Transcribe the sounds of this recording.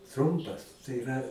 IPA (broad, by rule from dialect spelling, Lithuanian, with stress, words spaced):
ˈtrʊmpɐs tɐɪ ɪˈrɐ